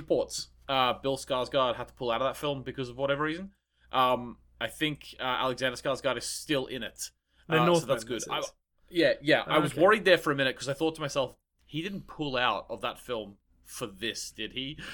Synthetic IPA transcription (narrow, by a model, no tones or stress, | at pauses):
əpʰɔɹts | ʌbɪlˠskɑɹzɡɑɹd̥̚həd̚tʰə̥pʰʊlˠaʊɾʌvðətfɪlˠmbɨkʰʌzʌvwʌɾɛvə˞ɹiz̃n̩ | ʔʌ̃m | ʔaɪθɪ̃ŋkʌæ̰lˠɨɡzæ̃ndə˞skɑɹzɡɑɹɾɨz̥stɪlˠɪ̰̃ñɪt | soʊðæsɡ̥ʊda̰ɪ | jæjæʔa̰ɪwʌzwɜɹid̪̚ðə˞fə˞ɨmɪ̃nɨt̚kʰʌzaɪθɔtʰəmaɪsɛlˠf | hidɪdⁿn̩pʰʊlˠaʊɾʌvðə̰tfɪlˠm | fə˞ðɪsd̥ɨd̚i